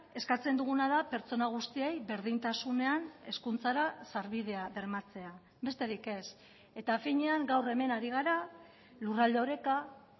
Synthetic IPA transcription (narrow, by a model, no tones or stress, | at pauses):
e̞skat͡se̞nd̪uɣ̞unað̞ape̞ɾt͡so̞naɣ̞ust̪iejβe̞ɾð̞int̪asune̞ane̞skunt͡saɾasaɾβiðe̞aβe̞ɾmat͡se̞a | be̞st̪e̞ɾike̞s | e̞t̪afiɲeaŋɡawre̞me̞naɾiɣ̞aɾa | lurald̪eoɾe̞ka